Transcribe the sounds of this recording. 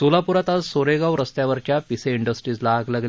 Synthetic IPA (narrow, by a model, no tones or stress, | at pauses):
sulapuɾat̪azsoɾeɡaʋɾəst̪jaʋəɾt͡ɕjapiseiɳɖəsʈɾiːd͡zlaːɡləɡl